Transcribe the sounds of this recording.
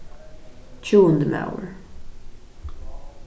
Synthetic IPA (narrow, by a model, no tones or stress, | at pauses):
t͡ʃʰuːə̃nd̪əma̰ʊə̰ɹ